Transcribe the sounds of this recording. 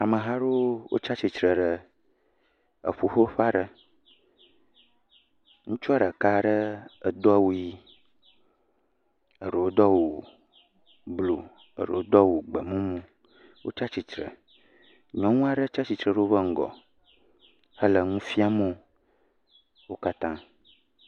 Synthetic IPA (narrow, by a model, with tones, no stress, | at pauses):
a˨mə̃˨ɦa˦ɖo˦wo̰˦t͡ʃa˦t͡ɕi˨tɾə˨ɖə˨ | ə̰˨ɸu˨ɸo˦ɸa˦ɖə˦ | ŋũ˦t͡ʃu˦a˦ɖə˨ka˦ɖə˦ə˨d̪ɔ˦a˦wu˦ji˦ | ə˨ɖə˨wo˦d̪ɔ˦wo˨ | blo˨ | ə̰˨ɖə˨o˦d̪ɔ˦wo˨ɡ͡bə˨mũ˦mũ˦ | wʔo̰˦t͡ʃa˦t͡ɕi˨tɾə̰˨ | ɲɔ̃˦ŋũ˦a˦ɖə˦t͡ʃa˦t͡ɕi˨t̪ɾə˨ɖə˦wo˦bə˦ŋ̩˨ɡɔ̰˨ | hə˦lə˨ŋũ˦fi˦a˦mõ˦ | wo˦ka˦t̪ã˦